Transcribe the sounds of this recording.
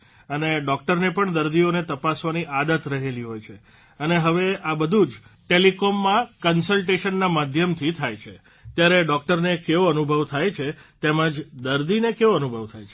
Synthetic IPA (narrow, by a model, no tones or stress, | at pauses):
əneɖɔk̚ʈəɾnepəɳd̪əɾd̪ionet̪əpasʋaniʔad̪ət̪ɾəɦeliɦojt͡ʃʰe | əneɦəʋeabəd̪ʱud͡ʒʈelikɔmːãkənsəlʈeʃənːamad̪ʱjəmt̪ʰit̪ʰajt͡ʃʰe | t̪jaɾeɖɔk̚ʈəɾnekeʋoənubʱəʋt̪ʰajt͡ʃʰet̪emãd͡ʒd̪əɾd̪inekeʋoənubʱəʋt̪ʰajt͡ʃʰe